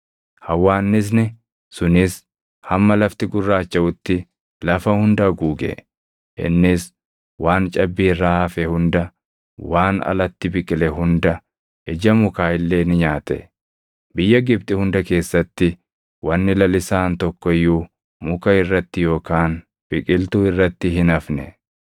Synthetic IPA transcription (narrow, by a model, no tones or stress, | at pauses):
hɐwːaːnːɪs̬nɪ | sʊnɪs | hɐmːɐlɐft̪ɪɡʊrːaːt͡ʃːɐʔʊt̪ːɪ | lɐfɐhʊnd̪ɐɡuːɡɛ̰ | ʔɪ̰nːɪs | waːnt͡ʃʼɐbːiːrːaːɐfɛhʊnd̪ɐ | waːnɐ̰lɐt̪ːɪbɪkʼɪlɛɦʊnd̪ɐ | ɛd͡ʒɐmʊkaːɪlːe̞ːnɪɲaːt̪ɛ̰ | bɪjːɐɡɪb̚t̪ʼɪhʊnd̪ɐke̞ːsːɐt̪ːɪ | wɐnːɪlɐlɪsaːnt̪ɔkːɔɪjːu | mʊkɐɪrːɐt̪ːɪjo̞ːkaːn | b̥ɪkʼɪlt̪ʊɪrːɐt̪ːɪɦɪnɐfnɛ̰